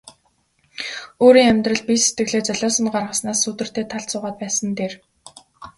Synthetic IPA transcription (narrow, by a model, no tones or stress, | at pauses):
oːɾiːŋæmʲt̪rə̆ɮ̚piset̪ɡɘ̆ɣɮeːt͡sœɮɔːsə̆nɢarʁə̆snaːsːut̪ɘ̆r̥t̪eːt̪ʰaɮt͡sʊːʁaːt̪̚pæːsə̆nt̪eːr